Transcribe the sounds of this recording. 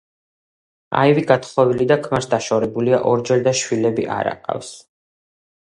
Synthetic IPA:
a̰iviɡat̪χɔvilid̪akʰmaɾsd̪aʃɔɾɛbuliaʔɔɾd͡ʒɛɾd̪aʃwilɛbiʔa̰ɾa̰qʼa̰fs

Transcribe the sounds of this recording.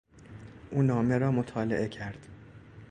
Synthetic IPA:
ʔuːnɒːme̞ɾɒːmot̪ʰɒːleʔe̞cʰæɾd̪̥

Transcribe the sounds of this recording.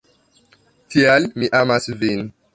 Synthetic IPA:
tialmiʔamasvin

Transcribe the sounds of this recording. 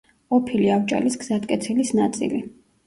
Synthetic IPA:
ɔpʰiliavt͡ʃʼa̰lisɡzat̪kʼɛt̪sʰilisnat̪sʼḭli

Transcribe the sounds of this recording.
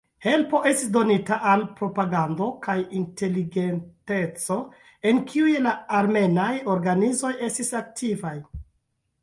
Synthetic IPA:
he̞lpo̞ʔe̞stisdo̞nitaʔalpɾo̞paɡando̞kajinte̞liɡe̞nte̞t͡so̞ | e̞nkʰiujlaaɾme̞najo̞ɾɡanizo̞je̞stisak̚tʰivaj

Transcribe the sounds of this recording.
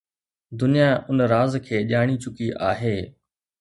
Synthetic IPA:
d̪ʊnijaʔʊnɾaːzkʰeːʄaːɽ̃it͡ɕʊkiʔaːɦeː

